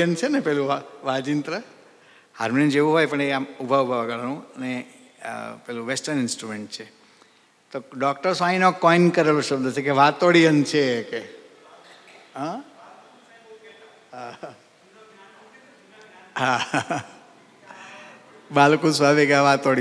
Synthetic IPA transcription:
ənt͡ʃʰenepɛɦlũaʋad͡ʒint̪ɾə | haɾmnind͡ʒeʋũɦojpəɳeamubʱaubʱaʋəɡəɭanũəne | pɛlũʋesʈəɾnɪnsʈɾumeɳʈ̚t͡ʃʰe | t̪oɖɔkʈəɾsãɦĩnokɔinkəɾeloʃəbd̪ʱt͡ʃʰekeʋat̪oɽijənt͡ʃʰeke | ɦã | ɦa | ɦa | balkũsʋabekaʋat̪oɽi

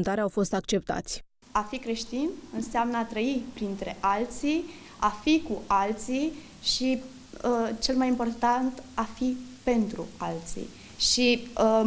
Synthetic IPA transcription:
nt̪aɾeawfo̞st̪ak̚t͡ʃe̞p̚t̪a̰t̪sʲ | afikɾe̞ʃt̪inɨnseamnəat̪ɾəipɾint̪ɾe̞ʔalt̪si | afikuʔalt̪si | ʃi | t͡ʃe̞lmajimpo̞rt̪ant̪afipe̞nt̪ɾṵalt̪sḭ | ʃi

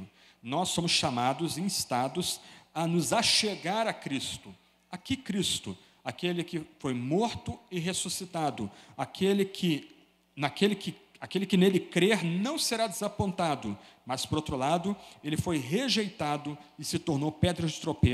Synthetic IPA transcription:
nɔsːõmʊsʃamad̪ʊzẽj̃ɪst̪ad̪ʊsɐnʊzaʃeɡaɾɐkɾist̪ʊ | akikɾist̪ʊ | akelɪkɪfojmoɾt̪ʊɪɦesusit̪ad̪ʊakʰelɪkʰɪ | nakelɪkɪakelɪkɪnelɪkɾeɾnɐ̃w̃seɾad̪ezapõnt̪ad̪ʊmɐspoɾowt̪ɾʊlad̪ʊelɪfojɦeʒejt̪ad̪ʊɪsɪt̪oɾnowpɛd̪ɾɐd͡ʒɪt̪ɾope

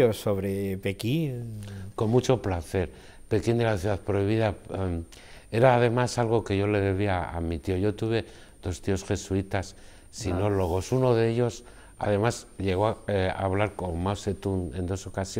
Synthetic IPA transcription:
osoβɾepekinko̞mmut͡ʃo̞plaθe̞ɾ | pe̞kind̪e̞laθjuðaðpɾo̞iβ̞iða | e̞ɾaːð̞e̞masalɣ̞o̞ke̞ʝo̞le̞ðe̞β̞iaa̰mit̪io̞ʝo̞t̪uβe̞ | ð̥o̞st̪io̞sxe̞suit̪asː | ino̞lo̞ɣ̞o̞suno̞ðeeʎo̞s | a̰ðe̞masʎe̞ɣ̞o̞a̰β̞laɾkonmawse̞t̪une̞nd̪o̞so̞kasjo

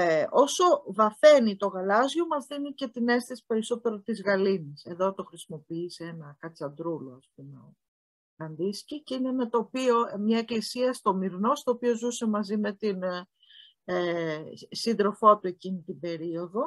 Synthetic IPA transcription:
o̞so̞vɐθe̞nit̪o̞ɣɐlɐzʝo̞mɐzðinice̞t̪ine̞st̪esi̥pe̞ɾiso̞t̪e̞ɾo̞t̪izɣɐliniseðo̞t̪o̞xɾisimo̞piiseenɐkɐt͡sɐnd̪ɾuloɐsp̚umeo | lɐnd̪isciceinemet̪opio̞mɲɐe̞klisiɐst̪o̞miɾno̞st̪oːpio̞zusemɐzime̞t̪in | e | sind̪ɾo̞fot̪ue̞cinit̪ibe̞ɾio̞ðo̞

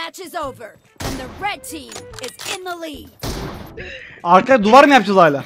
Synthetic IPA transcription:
æt͡ʃɨzoʊvə˞ | ɨ̃nðɨɹɛd̚tʰĩmɪzɪ̃nðəliɡ | aɾkad̪uvaɾɯmjap̚d͡ʒʰazˠajlʲˠa

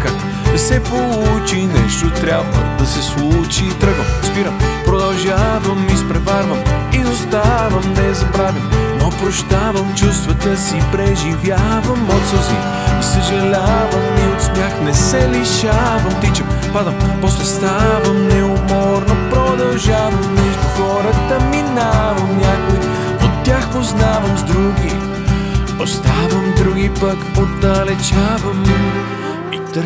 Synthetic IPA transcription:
ka | nɛsɛpolˠut͡ʃinɛʃt̪ot̪ɾʲabvə̰d̪ɐsɛslˠut͡ʃit̪ɾəɡəmspiɾəmpɾod̪ɐlˠʒavɐmːispɾɛvaɾvəmiost̪avɐmnɛzɐbɾavimnopɾoʃt̪avɐmt͡ʃust̪vɐt̪əsipɾɛʒivʲjavɐmːot̪səlˠzvḭ | isɐʒɐlʲavəmːiot̪snʲaxnɛsɛliʃavɐmt̪it͡ʃɛmpad̪əmpɔslɛst̪avɐmnɛomɔɾnəpɾod̪ɐlˠʒavɐmːɛʒd̪ʊxɔɾət̪əminavɐmnʲakʊə | ot̪ːjaxpoznavɐmzd̪ɾuɡi | ost̪avəmd̪ɾuɡipəkpod̪ɐlɛt͡ʃavɐm | it̪

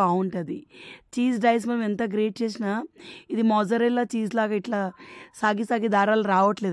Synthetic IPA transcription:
awuɳʈɐd̪it͡ʃiːsɖɐjs̬mɐnɐment̪ɐɡɾeːʈ̚t͡ʃeːs̬inaːid̪imɔd͡ʒɐɾɛlːat͡ʃiːd͡ʒlaːɡaːiʈlaːsaːɡisaːɡid̪aːɾaːluɾaːʋɐʈleː

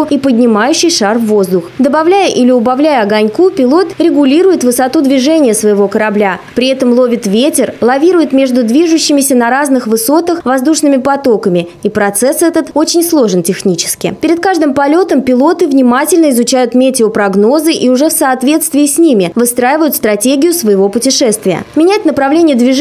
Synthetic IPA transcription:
ʊipədʲnʲɪmajʉɕːɪjʂarvːozd̪ʊxd̪əbɐvlʲæjəʔilʲɪʊbɐvlʲæjəɐɡɐnʲkupʲɪlˠo̞t̪ɾʲɪɡʊlʲiɾʊjɪt̪vɨsɐt̪ud̪vʲɪʐɛnʲɪjəsvəjɪvo̞kəɾɐblʲapɾʲɪɛt̪əmlˠo̞vʲɪt̪vʲetʲɪrlˠɐvʲiɾʊjɪt̪mʲe̞ʐd̪ʊd̪vʲiʐʊɕːɪmʲɪsʲənɐɾaznɨxvɨso̞t̪əxvɐzd̪uʂnɨmʲɪpɐt̪o̞kəmʲɪ | ipɾɐt̪sɛsɛt̪ət̪ot͡ɕɪnʲslˠo̞ʐɨntʲɪxnʲit͡ɕɪ̥skʲɪ̰pʲɪɾʲɪt̪̚kaʐd̪ɨmpɐlʲo̞t̪əmpʲɪlˠo̞t̪ɨvnʲɪmatʲɪlʲnəɪzʊt͡ɕæjʊt̪mʲetʲɪʊpɾɐɡno̞zɨʔiʊʐɛfsɐːt̪vʲe̞t̪st̪vʲɪːsʲnʲimʲɪvɨst̪ɾajɪvəjʊt̪st̪ɾɐtʲeɡʲɪjʊsvəjɪvo̞pʊtʲɪʂɛst̪vʲɪjə̰mʲɪnʲæt̚ʲnəpɾɐvlʲenʲɪjəd̪vʲɪ

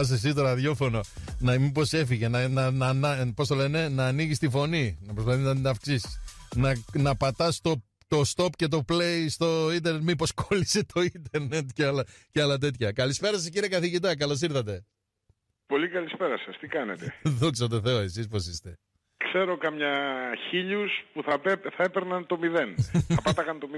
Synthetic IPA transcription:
ɐs̬esit̪oɾɐðʝo̞fo̞no̞nɐmipo̞se̞fiʝenɐnɐnɐnɐpo̞st̪ole̞ne̞nɐːniʝist̪ifo̞ninɐpɾos̬pɐθiznɐnɐfksisi̥snɐnɐpɐt̪ɐst̪o | t̪o̞st̪o̞pce̞t̪̬o̞plejst̪o̞int̪eɾnet̪mipo̞skolise̞t̪ʰo̞int̪eɾne̞t̪ceɐlɐceɐlɐt̪̬e̞t̪çɐkɐlispe̞ɾɐsɐsciɾiekɐθiʝit̪̬ɐk̬ɐlo̞s̬iɾθɐt̪e̞ | po̞likɐlispe̞ɾɐsɐst̪ikɐnḛt̪eðoksɐt̪e̞θe̞oe̞sispo̞sist̪e | kse̞ɾokɐmɲɐçiʎuspuθɐpeθɐepeɾnɐnt̪o̞miðenθɐpɐt̪ɐkɐnt̪o̞mi

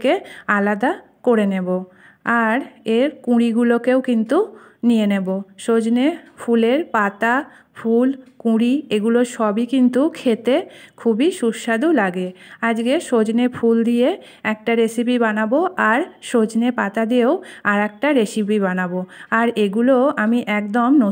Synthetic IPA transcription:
kealad̪a | koɾenebo | aɾeɾkũɽiɡulokewkint̪unijeneboʃod͡ʑnefʰuleɾpat̪a | fʰulkũɽieɡuloɾʃɔbikint̪ukʰet̪ekʰubiʃuʃːad̪ulaɡead͡ʑɡeʃod͡ʑnefʰuld̪ie | ɛk̚ʈaɾesipibanaboʔaɾʃod͡ʑnepat̪ad̪ieoaɾɛk̚ʈaɾesipibanaboaɾeɡuloamiʔɛkd̪omno

